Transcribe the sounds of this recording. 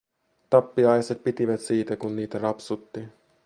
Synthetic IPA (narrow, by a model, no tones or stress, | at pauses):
t̪ɑpːiɑjset̪̚pit̪iʋæt̪siːt̪ækunniːt̪ærɑpsut̪ːi